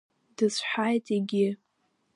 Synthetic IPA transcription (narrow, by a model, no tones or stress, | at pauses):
d̥ɨzħajtʼiɡʲɪ